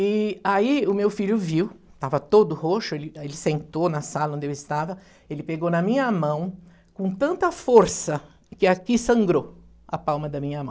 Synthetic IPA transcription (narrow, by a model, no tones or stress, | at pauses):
ɪaiʊmewfiʎʊviw | t̪avɐt̪od̪ʊhoʃʊelɪelɪsẽnt̪onɐsalɐõnd̪ɪewɪst̪avɐ | elɪpeɡonɐmĩɲɐmɐ̃w̃ | kõt̪ɐ̃nt̪ɐfoɾsɐ | kɪakisɐ̃ŋɡɾo | ɐpawmɐd̪ɐmĩɲɐmɐ̰̃